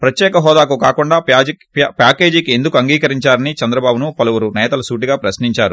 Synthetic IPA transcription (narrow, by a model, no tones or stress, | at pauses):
pɾɐt̪jɛːkɐɦɔːd̪aːkukaːkuɳɖaː | paːke̞ːd͡ʒikiend̪ukuɐŋɡiːkɐɾiɲt͡ʃaːɾɐnit͡ʃɐnd̪ɾɐbaːbunupɐlɐwuɾunɛːt̪ɐlɐsuːʈ̬iɡaːpɾɐsniɲt͡ʃaːɾu